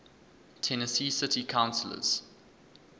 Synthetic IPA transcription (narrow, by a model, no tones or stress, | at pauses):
tʰɛnəsiːsɪtikʰãʊ̃nsələ̰z̥